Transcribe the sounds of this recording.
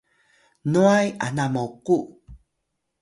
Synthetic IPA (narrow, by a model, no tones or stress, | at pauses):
nuaja̰namawqu